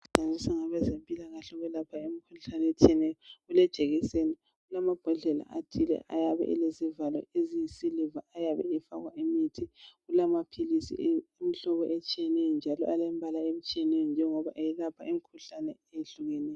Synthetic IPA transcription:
uǃʱazisaŋaβɛzempʼilaɣaɬɔɣɛlapʰaemikʰuɬanɛet͡ʃʼiɛnɛjɔɔɣulɛt͡ʃʼeɣisenɛ | ɣulamab̥ʱaɮɛla̰ʔatʰʼilɛ̰ʔa̰jaβɛ̰ʔɛ̰lezivalɔ̰ezijisilivaajaβɛ̰ifaɣwaʔemitʰiɣulamapʰilisḭem̩ɬɔβɔʔet͡ʃʼijɛnɛjɔnd͡ʒʱalɔ̰ʔalɛmbʱalaem̩t͡ʃʼijɛnɛjɔnd͡ʒʱɛŋɔβaʔejilapʰaimikʰuɬanɛ̰ejeɬuɣɛnɛːj

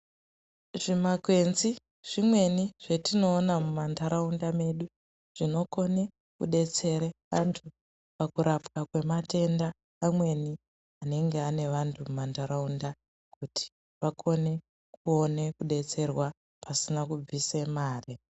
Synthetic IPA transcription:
ʐimakwe̞nzi | ʐ̥imwe̞niʐ̥e̞tino̞ːnamumandaɾaundame̞ɗu | ʐ̥ino̞ko̞ne̞ | kṵɗe̞t͡se̞ɾeʋantʰu | pakuɾapkakwe̞mate̞ndaː | mwe̞ni | ane̞ŋɡeane̞ʋantʰumumantaɾaunda | kutʰi̥ | ʋakʰo̞ne̞ | k̚uo̞ne̞kuɗe̞t͡se̞rwa | pasinakub͡vise̞maːri

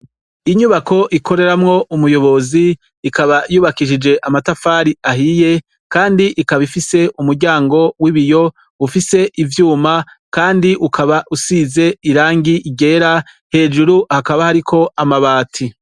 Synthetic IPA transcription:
iɲuβako̞ʔikʰo̞ɾe̞ɾamŋo̞ʔumujo̞βo̞zi | ikaβajuːβakiʃid͡ʒe̞ʔamatafaɾiahije̞ | kaːndiʔikaβifise̞ʔumuɾɟaːŋɡo̞wiβijo̞ | ufise̞ʔivjuːma | kaːndiʔukʰaβaʔusiːze̞iɾaːŋɡiʔiɟe̞ːɾahe̞ːd͡ʒuɾuhakaβahaɾikʰo̞amaβaːtʰi

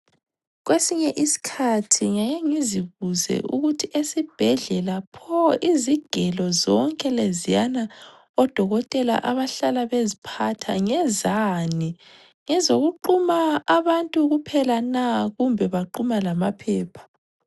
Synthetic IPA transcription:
ɣwesiɲɛʔisi̥kʰatʰiŋajeŋiziβuzɛ̰ʔuɣutʰiʔesib̥ʱɛɮɛlapʰɔiziɡ̥ʱɛlɔzɔŋkʼɛlezijana | ɔd̥ʱɔɣɔtʼɛla̰ʔaβaɬalaβezipʰatʰaŋɛzani | ŋɛzoɣuǃumaːβantʼuɣupʰɛlanaɣumbʱɛβaǃumalamapʰɛːpʰḁ

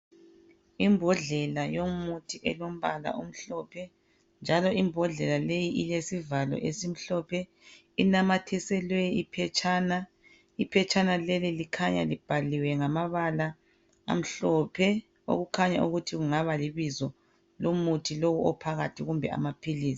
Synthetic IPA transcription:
imbʱɔɮɛlajomutʰiʔɛlom̩βala̰ʔum̩ɬɔpʰɛ | nd͡ʒʱalɔimbʱɔɮɛlalejiʔilesivalɔ̰ʔesim̩ɬɔpʰɛ | inamatʰɛsɛlwɛipʰɛt͡ʃʰʼaːna | ipʰɛt͡ʃʰanalɛlilikʰaɲa̰lib̥ʱaliwɛŋamaβala̰ː | m̩ɬɔpʰɛ | o̰ɣukʰaɲa̰ʔuɣutʰiɣuŋaβaliβizɔ | lomutʰilowuʔɔpʰaɣatʰiɣumbʱɛ̰a̰mapʰiliːsi̥

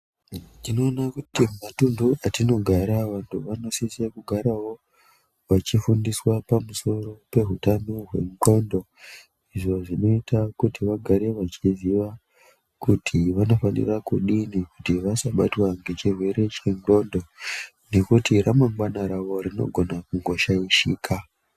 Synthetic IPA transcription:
tino̞ːnakutimatunduʔatino̞ɡʱaɾaʋantʰuʋano̞sisekuɡʱaɾawo̞ | ʋat͡ʃifundiswapamuso̞ɾo̞pe̞ɦutanoɦwe̞ŋɡo̞ndo̞ | iʐo̞ʐino̞itakutiʋaɡʱaɾe̞ʋat͡ʃiziʋa | kutʰiʋano̞fanḭrakuɗinikutiʋasaɓatwaŋɡe̞t͡ʃirwe̞ɾe̞t͡ʃeŋɡo̞ndo̞ | ne̞kutiramaŋɡwanaɾaʋo̞ɾino̞̰ɡʱo̞nakuŋɡo̞ʃaiʃiːkʰa

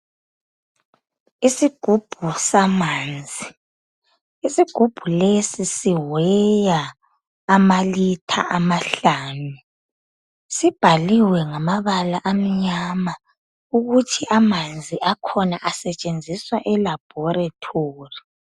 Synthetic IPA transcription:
isiɡ̥ʱub̥ʱusamaːnd͡zʱi | isiɡ̥ʱub̥ʱulesisiwɛjaː | malitʰa̰ʔamaɬaːnu | sib̥ʱaliwɛŋamaβalaʔam̩ɲama | uɣutʰiʔamand͡zʱiʔakʰɔnaʔasɛt͡ʃʼend͡zʱiswaʔɛlab̥̚ʱɔɾatʰoːri

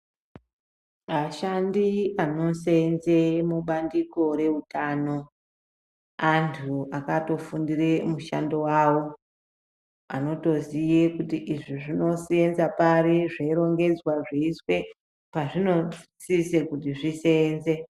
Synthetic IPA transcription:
aʃandiano̞senzemuɓandiko̞ɾe̞utaːno̞ | antʰuakato̞fundire̞muʃa̰ndo̞waːwo̞ | a̰no̞to̞zijekutiʔiʐiʐino̞sijenzapaɾiʐeiɾo̞ŋɡe̞d͡zwaʐeiswe̞ | paʐino̞sisekutiʐise̞ːnze

